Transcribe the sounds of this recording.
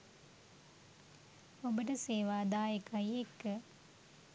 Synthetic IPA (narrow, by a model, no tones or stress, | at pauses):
obəʈəseːʋaːd̪aːjəkajekːə